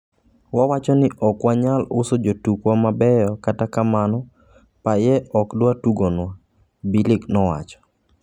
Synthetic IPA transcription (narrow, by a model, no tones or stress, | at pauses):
wawat͡ʃɔnɪʔɔkwaɲalʊsod͡ʒotukwamabɛjɔkatakamanɔ | pajɛʔɔkdwatuɡonwa | bilɪknɔwa̰t͡ʃɔ̥